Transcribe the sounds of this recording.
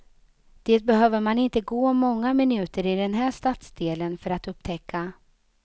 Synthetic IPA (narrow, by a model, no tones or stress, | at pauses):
d̪̥eːt̪̚bɛɦøːvəɾmanɪnt̪əɡoːmɔŋːamɪnʉ̟ːt̪əɾɪd̪ɛnɦæːʂt̪at̪sd̪eːlənfœɾat̪ɵp̚ːt̪ʰɛkʰːa